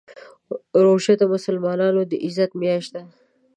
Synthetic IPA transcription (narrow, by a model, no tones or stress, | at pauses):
ɾoʃat̪amʊsalmɑnɑnod̪əʔɪzat̪mjɑʃt̪a